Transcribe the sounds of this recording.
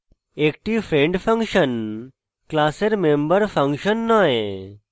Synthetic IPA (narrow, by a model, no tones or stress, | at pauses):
ek̚ʈiʋfʰɾẽɳɖfʰə̃ŋkʃən | klaːseɾmẽmbəɾfʰə̃ŋkʃənːaːɦẽ